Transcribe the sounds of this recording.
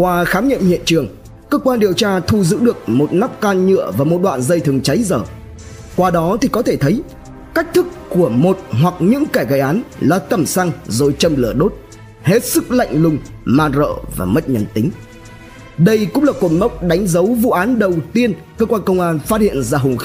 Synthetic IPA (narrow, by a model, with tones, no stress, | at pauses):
kwaː˧xaː˨˦mɲḭ˧˨mhḭ˧˨ənt͡ɕɨ˨˩əŋ | kəː˧kwaː˧nɗi˨˩əwt͡ɕaː˧t̪ʰu˧zɨ̰˧˥ɗɨ˨˩ək̚mo˨˩t̚na˦˥p̚kaː˧nɲɨ̰˧˨əvaː˨˩mo˨˩t̚ɗwa̰ː˧˨nzə˧jt̪ʰɨ˨˩əŋt͡ɕa˨˦jzəː˧˩ | kwaː˧ɗɔ˨˦t̪ʰi˨˩kɔ˨˦t̪ʰe˧˩t̪ʰə˨˦j | ka˦˥jk̟̚t̪ʰɨ˦˥kːu˧˩əmo˨˩t̚ɦwa˨˩k̚ɲɨ̰˧˥ŋkaː˧˩jɣaː˨˩jʔaː˨˦nlaː˨˩t̪ə˨˩msa˧ŋzo˨˩jt͡ɕə˧mlɨ˧˩əɗo˦˥t̚ | he˦˥t̚sɨ˦˥k̚la̰˧˨jŋ̟lʊ˧ŋ͡m | maː˧nzo̰ː˧˨va̰ː˨˩mə˦˥t̚ɲə˨˧nt̪ï˨˦ŋ̟ | ɗə˧jkʊ̰˧˥ŋ͡mlaː˨˩ko˨˩nmə˦˥wk͡p̚ɗa˨˦jŋ̟zə˨˦wvṵ˧˨ʔaː˨˦nɗə˨˩wt̪i˧ən | kəː˧kwaː˧nkə˧wŋ͡mʔaː˧nfaː˦˥t̚hḭ˧˨ənzaː˧˩ɦʊ˨˩ŋ͡mx